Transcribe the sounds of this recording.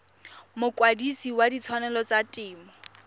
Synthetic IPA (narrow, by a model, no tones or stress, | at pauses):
mʊkʼwadisiwadit͡sʰwanɛlɔt͡satʼɪːmɔ